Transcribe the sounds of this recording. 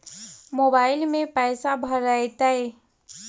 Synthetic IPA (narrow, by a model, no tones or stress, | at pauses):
moːbaːɪlmẽpɛːsabʱəɾaet̪ae